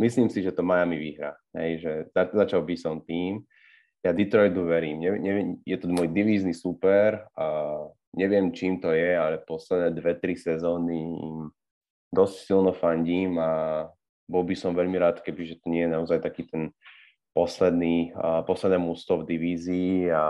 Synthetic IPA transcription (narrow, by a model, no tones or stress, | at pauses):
misliːmsiʒɛt̪ɔmajamiʋḭɦɾa̰ɦɛ̰jʒɛzazat͡ʃalbisɔmt̪iːm | jad̪it̪ɾɔjd̪uʋɛɾiːmɲɛɲɛɛjɛt̪ɔmɔjd̪iʋiːznisupɛɾ | ɲɛʋɪɛmt͡ʃiːmt̪ɔjɛalɛpɔslɛd̪nɛːd̪ʋɛt̪ɾisɛzɔːniḭm | d̪ɔscsilnɔfaɲɟiːma | bɔlbisɔmʋɛʎmiɾaːt̪kɛbiʒɛt̪ɔɲɪɛjɛnaɔzajt̪akiːt̪ɛn | pɔslɛd̪niːpɔslɛd̪nɛːmust̪ɔvd̪iʋiːziːa